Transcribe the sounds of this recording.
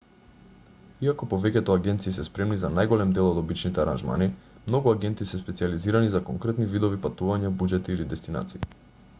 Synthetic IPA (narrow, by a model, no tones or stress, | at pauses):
iakɔpɔvɛcɛt̪ɔaɡɛnt̪siːsɛspɾɛmnizanajɡolɛmd̪ɛlˠɔd̪obit͡ʃnit̪ɛaɾa̰nʒma̰ni | mnoɡuaɡʲɛnt̪isɛspɛt̪sializiɾanizakɔŋkɾɛt̪nivid̪ɔvipat̪uvaɲabud͡ʒɛt̪iːlid̪ɛst̪ina̰t̪sii